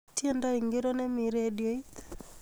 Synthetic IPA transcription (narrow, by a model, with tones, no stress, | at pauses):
tje˦nda˦iŋɡeɾo˦nɛ˦mi˨ɾedjo˦i˦t̪